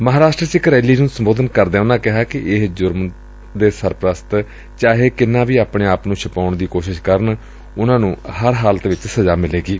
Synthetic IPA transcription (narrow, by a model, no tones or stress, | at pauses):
məɦaːɾaːʃʈɾəsɪkɾɛːliːnũːsəmboːd̪ənkəɾd̪ẽːʊnãːkɪɦaːkɪʔɪɦd͡ʒʊɾm | d̪eːsəɾpɾəst̪ | t͡ʃaːɦeːkɪnːãːʋiːaːpɳẽːaːpnũːt͡ʃʰəpaːɳd̪iːkoːʃɪʃkəɾɳ | ʊnãːnũːhəɾɦaːlət̪ʋɪt͡ʃsəzaːmɪleːɡiː